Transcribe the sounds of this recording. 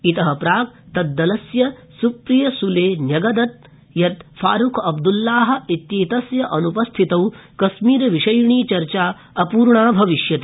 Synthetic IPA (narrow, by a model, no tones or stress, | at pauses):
it̪ɐɦɐpɾaːk̚t̪ɐd̪ːɐlɐsjɐsupɾijɐsuleːnjɐɡɐd̪ɐt̪̚ | jɐt̪fa̰ːɾukʰɐbd̪ulːaːɦɐ̆it̪jiːt̪ɐsjɐʔɐnupɐst̪ʰit̪ɐwkɐsmiːɾɐʋiʂɐjɳiːt͡ʃɐɾt͡ʃaː | ɐpuːɾɳaːbʱɐʋiʃjɐt̪i